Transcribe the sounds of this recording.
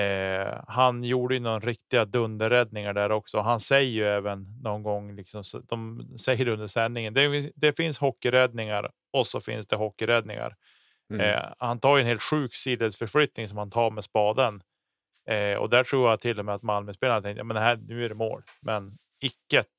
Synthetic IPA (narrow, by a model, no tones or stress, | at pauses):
hanjuːɖəjɵnɔɾɾɪkt̪ɪɡad̪ɵnd̪əɾɛd̪nɪŋaɖæɾɔksɔɔɦansɛjːəjɵɛːvənːɔnɡɔŋːlɪksɔmsd̪ɔmsɛjːəɖɵnd̪əʂɛnːɪŋənd̪ɛjɪd̪ɛfɪnshɔkːɪɾɛd̪nɪŋa̰ɾ | ɔsɔfɪ̰nsd̪ɛɦɔkːɪɾɛd̪nɪ̰ŋa̰ɾ̰ | hant̪ʰɑːɾjʏɵɛnheːlt̪ɧʉ̟ːksiːd̪ed̪sfœɾflʏt̪nɪŋsɔmhant̪ʰɑːɾmɛspɑːd̪ən | ɔ̰d̪æʈʰɾuːɾjat̪ʰɪlːɔmɛat̪malmœspeːlanət̪ɛŋkt̪jɑmɛnd̪ɛɦæːnʉ̟ːæɖɛmo̰ːlmʔɛn | ɪkːət̪